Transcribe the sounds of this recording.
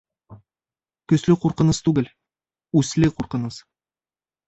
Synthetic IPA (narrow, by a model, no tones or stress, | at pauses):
kɵ̆slɘquɾqɤ̆nɤst̪ʉɡɘl | ʉslɘquɾqɤ̆nɤs